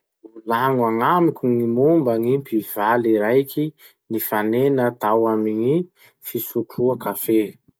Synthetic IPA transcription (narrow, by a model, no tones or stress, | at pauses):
ulaŋwaŋamikʲuŋimumbəŋimpiv̥aliɾajkʲi | nifanenət̪awamiɲi | fisuʈ͡ʂʰuakafe